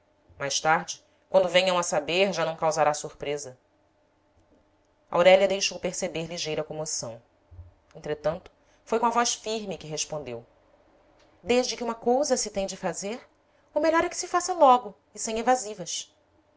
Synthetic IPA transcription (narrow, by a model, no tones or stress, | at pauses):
majʃt̪aɾd͡ʒɪ | kwɐ̃nd̪ʊvẽɲɐ̃w̃ɐsabeɾʒanɐ̃w̃kawzaɾasuɾpɾezɐ | a̰wɾɛlʲɐd̪ejʃowpeɾsebeɾliʒejɾɐkõmosɐ̰̃w̃ | ẽnt̪ɾet̪ɐ̃nt̪ʊ̥ | fojkõɐvɔʃfiɾmɪkɪɦeʃpõnd̪ew | d̪eʒd͡ʒɪkɪũmɐkowzɐsɪt̪ẽj̃d͡ʒɪfazeɾ | ʊmeʎɔɾɛkɪ̥sɪfasɐlɔɡʊ | ɪsẽj̃evazivɐʃ